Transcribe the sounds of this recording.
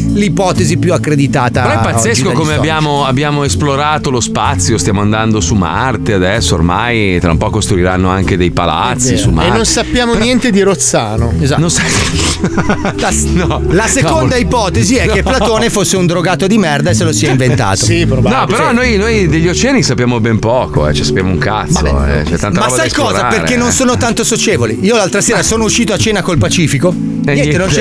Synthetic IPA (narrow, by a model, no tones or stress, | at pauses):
lipɔːt̪ezipjuakːɾed̪it̪aːt̪aɾɛpːat̪ːeskokomeabːjaːmoabːjaːmoesploɾaːt̪olospat̪sːjost̪jamoand̪and̪osuma̰ | rt̪ead̪ɛsːoo̰rmajt̪ɾa̰mpɔkost̪ɾuiɾanːoaŋk̟ed̪ejpa̰la̰t̪sːisumaenonsapːjaːmonjɛnt̪ed̪iɾot̪sːaːnoeznõsa | nɔ | lasekond̪aipɔːt̪eziɛkːepːlat̪oːnefosːeund̪ɾoɡaːt̪od̪imɛrd̪aeselosiɛiɱvent̪a̰ːt̪osipɾonɔpeɾɔnːojnojd̪eʎːot͡ʃɛnisapːjaːmobɛmpɔːko̰ɛ̰t͡ʃɛsapja̰ːmo̰ṵŋka̰t̪maːo̰ɛ̰t͡ʃɛt̪ːanamaɔsbaajkɔːɾzaaperɾkːenːonsoːnot̪ant̪osot͡ʃeːvoliiːolalt̪ɾaseːɾasoːnouʃːiːt̪oat͡ʃeːnakolpat͡ʃiːfiko | ɲɛnt̪enõnt͡ʃ